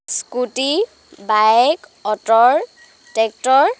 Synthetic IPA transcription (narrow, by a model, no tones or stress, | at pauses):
skuti | baɛkɔtɔɹ | tɛk̚tɔɹ